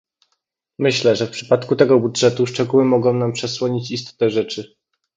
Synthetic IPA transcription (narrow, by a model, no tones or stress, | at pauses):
mɘɕlɛʐɛfpʂɘ̥pat̪kut̪ɛɡɔbudʐɛt̪uʂt͡ʂɛɡuwɘmɔɡɔ̃w̃nampʂɛswɔɲit͡ɕist̪ɔ̥t̪ɛʐɛt͡ʂɘ